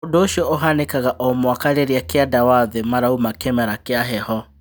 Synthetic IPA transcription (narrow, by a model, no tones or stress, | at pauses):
odoʃiɔoɦanekaɣaʔɔmwakaɾeɾiakeadawaðemaɾaumakɛmɛɾakeaɦɛhɔ